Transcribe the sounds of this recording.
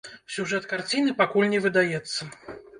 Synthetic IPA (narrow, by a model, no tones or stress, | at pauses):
sʲuʐɛt̪kart͡sʲinɨpakulʲnʲɛvɨd̪ajɛt̪sːɐ